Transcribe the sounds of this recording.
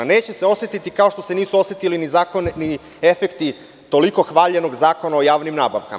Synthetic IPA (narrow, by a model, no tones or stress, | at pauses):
neːt͡ɕeseo̞set̪it̪ikao̞ʃt̪ose̞niːsuo̞set̪ilinizaːkonni | efekt̪i | t̪o̞liko̞xʋaːʎe̞no̞ɡzaːko̞naojaːʋnimnaːba̰ʋka̰m